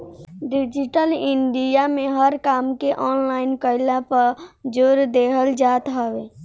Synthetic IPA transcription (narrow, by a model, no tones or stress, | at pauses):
ɖid͡ʒiʈəliɳɖijameɦəɾkaːmkeʔɔnlaɪnkəɪlapəɾd͡ʒoɾd̪eɦəld͡ʒat̪ɦəbe